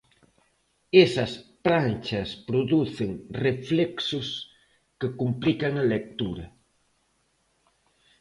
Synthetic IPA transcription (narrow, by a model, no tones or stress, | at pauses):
esɐspɾant͡ʃɐspɾoðuθɪŋreflɛksʊs | kɪkumplikɐŋɐlek̚t̪uɾɐ